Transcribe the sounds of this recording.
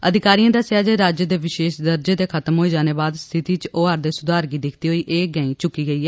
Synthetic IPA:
əd̪ʱɪkaːɾijãːd̪aseaːd͡ʒeːɾaːd͡ʒəd̪eːʋɪʃeːʃd̪əɾd͡ʒeːd̪eːkʰət̪əmɦoːiːd͡ʒaːneːbaːd̪st̪ʰɪt̪iːt͡ʃoːaːɾd̪eːsʊd̪aːɾɡiːd̪ɪkʰt̪iːɦoːiːʔeːɡəĩːt͡ʃʊkiːɡəiːɛː

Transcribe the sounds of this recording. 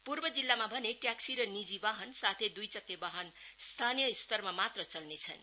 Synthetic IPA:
purbʌd͡zilːamabʱʌneʈjaksiɾʌnid͡zibaɦʌnsat̪ʰed̪ujt͡sʌkːebaɦʌnst̪ʰanijʌist̪ʌrmamat̪rʌt͡sʌlnet͡sʰʌ̰n

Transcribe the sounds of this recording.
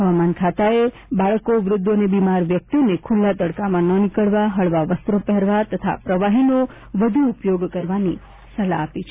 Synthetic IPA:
ɦəʋamankʰat̪ae | baɭkoʋɾʊd̪ʱːonebimaɾʋjək̚t̪inekʰulːat̪əɽkamãnənɪkəɭʋaɦəɭʋaʋəst̪ɾopɛɦɾʋat̪ət̪ʰa̰pɾəʋaɦino | ʋəd̪ʱuːpjoɡkəɾʋani | səlaːpit͡ʃʰe

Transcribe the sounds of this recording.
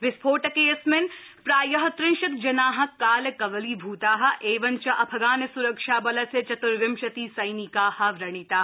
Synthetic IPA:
ʋɪspʰoːʈɐkeːsmɪnpɾaːjɐɦɐt̪ɾɪ̃nʃɐk̚d͡ʒɐnaːɦɐkːaːlɐkɐʋɐliːbʱuːt̪aːɦɐʔeːʋɐnt͡ʃɐʔɐpʰɐɡaːnɐsuɾɐkʃaːbɐlɐset͡ʃɐt̪ʊɾʋɪmʃɐt̪iːsɐjnikaːhɐʋɾɐɽ̃it̪aː

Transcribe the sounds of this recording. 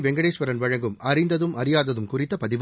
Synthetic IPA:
ʋɛŋɡɐɽeːʂʋɐɾɐnʋɐɻɐŋɡɯmɐɾɪnd̪ɐðɯmʔɐɾɪjaːðɐðɯmkʊrɪt̪ːɐpɐðɪʋ

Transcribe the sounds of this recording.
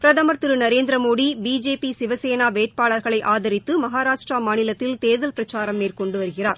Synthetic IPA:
pɾɐðɐmɐɾt̪ɪɾɯnɐɾeːnd̪ɾɐmoːɽibiːd͡ʒeːpisɪʋɐseːnaːʋeːʈ̚paːɭɐɾɣɐɭɐɪʔaːðɐɾɪt̪ːɯmɐɦaːɾaːʂʈramaːnɪlɐt̪ːɪlt̪eːɾðɐlpɪɾɐt͡ʃaːɾɐmːeːrkɔɳɖɯʋɐɾɯɣɪraːɾ

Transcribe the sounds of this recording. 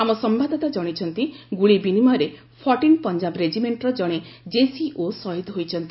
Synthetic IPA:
amɔsɔmbad̪ʱɔt̪ad͡ʒɔɽ̃it͡ʃʰɔnt̪iɡuɭibinimɔɾe | pʰɔɾʈinpɔnd͡ʒabɾed͡ʒimeɳʈɾɔd͡ʒɔɽ̃ed͡ʒesiʔosɔɦid̪ɦojt͡ʃʰɔnt̪i

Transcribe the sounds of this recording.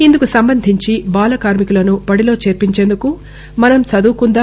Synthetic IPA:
ind̪ukusɐmbɐnd̪ʱiɲt͡ʃibaːlɐkaːɾmikulɐnubɐɽilo̞ːt͡ʃeːɾpiɲt͡ʃe̞ːnd̪uku | mɐnɐmt͡ʃɐd̪uːkund̪aː

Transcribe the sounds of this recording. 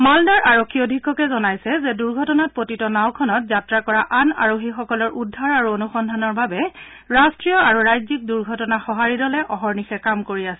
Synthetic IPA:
maldaɹʔaɹokʰːiodʱikːɔkɛzɔnajsɛzɛduɹɡʱɔtɔnat̚potitɔnawkʰɔnɔt̚zatɹakɔɹaʔana̰ɹoxixɔkɔlɔɹʔudʱːaɹaɹuonuxɔndʱanɔɹbabɛ | ɹastɹijɔaɹuɹajzik̚duɹɡʱɔtɔnaxɔɦaɹidɔlɛʔɔɦɔɹnixɛkamkoɹiasɛ

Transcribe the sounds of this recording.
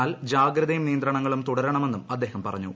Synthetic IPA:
aːld͡ʑaːɡɾɐðɐjumnijɐnd̪rɐɳɐŋːɐɭumt̪uɽɐɾɐɳɐme̞nːumɐd̪ːe̞ːhɐmpɐrɐ̰ɲːṵ

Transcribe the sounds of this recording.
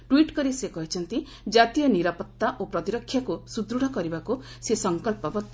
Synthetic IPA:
ʈwiʈkɔɾisekɔɦit͡ʃʰɔnt̪i | d͡ʒat̪ijɔniɾapɔt̪ːaʔopɾɔt̪iɾɔkʰːjakusud̪ɾuɽ̤ɔkɔɾibakusesɔŋkɔlpɔbt̪

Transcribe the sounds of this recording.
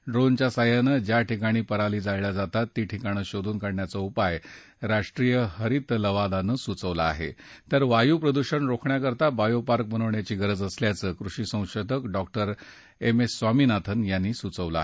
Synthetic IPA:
ɖɾont͡ɕjasajanəd͡ʑjaʈʰikaɽ̃iːpəɾaliːd͡zajlad͡zat̪at̪ːiːʈʰikaɽ̃əɕod̪ʱuːnkaɽɳjat͡səupaj | ɾaʂʈɾijəhəɾit̪ləʋad̪anəːsut͡səʋlaːɦḛt̪əɾʋajuːpɾəd̪uɕənɾokʰɳjakəɾt̪abajopaɾk̚bənəʋɳjat͡ɕiːɡəɾəd͡zəsljat͡səːkɾuɕiːsə̃w̃ɕod̪ʱəkɖɔk̚ʈəɾ | emesːʋamiːnat̪ʰənjanːiːsut͡səʋla̰

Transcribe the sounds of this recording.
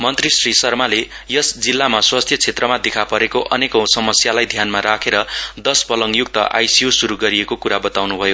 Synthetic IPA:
mʌnt̪risrisʌrmale | jʌsd͡zilːamaswast̪ʰjʌt͡sʰet̪rʌmad̪ekʰapʌɾekoʔʌnekʌ̃wsʌmʌsjalajd̪ʱjanmaɾakʰeɾʌd̪ʌspʌlʌŋjuk̚t̪ʌʔa̰jsiusuɾuɡʌɾiekokuɾabʌt̪awnubʱʌjo

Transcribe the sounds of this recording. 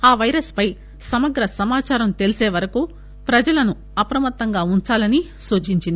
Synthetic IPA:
aːʋɐjɾɐspɐj | sɐmɐɡɾɐsɐmaːt͡ʃaːɾɐmt̪e̞liseːʋɐɾɐku | pɾɐd͡ʒɐlɐnu | ɐpɾɐmɐt̪ːɐŋɡaːunt͡ʃaːlɐni | suːt͡ʃiɲt͡ʃind̪i

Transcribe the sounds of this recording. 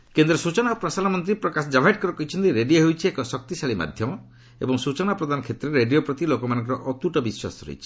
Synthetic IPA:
kend̪ɾɔsut͡ʃɔnapɾɔsanamɔnt̪ɾipɾɔkasɔd͡ʒabʱajʈ̚kɔɾɔkɔɦit͡ʃʰɔnt̪iɾeɖieɦojt͡ʃʰiekɔsɔk̚t̪isaɭima̰d̪ʱjɔmɔ | ebɔŋsut͡ʃɔnapɾɔd̪ʱanɔkʰet̪ɾeɾeɖijopɾɔt̪ilokɔmanɔŋk̬ɔɾɔ̰ʔɔt̪uʈɔbiswa̰sɔ̥ɾo̰jt͡ʃʰi̥

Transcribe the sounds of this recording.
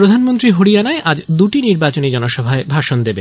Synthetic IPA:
ɾod̪ʱanmont̪ɾiɦoɽijanaeʔad͡ʑd̪uʈiniɾbat͡ɕonid͡ʑɔnoʃɔbʱaebʱaʃond̪ebe

